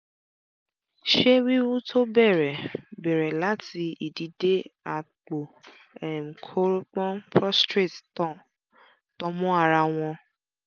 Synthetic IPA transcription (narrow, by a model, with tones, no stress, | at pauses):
ʃe˦wi˦wu˦tʰo˦bɛ˦˨ɾɛ˨bɛ˨ɾɛ˨la˨˦ti˧i˨di˨˦de˦a˨k͡po˨ | ɛ˨m̩˨kʰo˦ɾk͡pɔ̃˦pʰɾɔ˦stɾe˦˨ttɔ̃˦˨ | tɔ̃˧˦mɔ̃˦a˧ɾa˧w̃ɔ̃˧